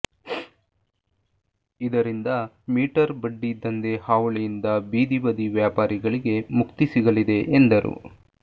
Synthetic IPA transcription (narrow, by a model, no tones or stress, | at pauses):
id̪ɐɾind̪ɐ | miːʈɐɾbɐɖːid̪ɐnd̪e̞haːʋɐɭejind̪ɐbiːd̪iʋɐd̪iʋjaːpaːɾiɡɐɭiɡe̞mukt̪isiɡɐlid̪e̞ʔend̪ɐɾṵ